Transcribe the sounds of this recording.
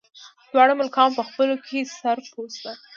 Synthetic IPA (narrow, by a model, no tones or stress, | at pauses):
d̪̥wɑɽəmʊlkɑmpəxpəlokʰesaɾpost̪a